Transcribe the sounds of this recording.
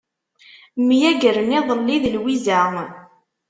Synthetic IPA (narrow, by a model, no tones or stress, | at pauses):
mjæɡəɾmɪðˤənːiðəlwizæ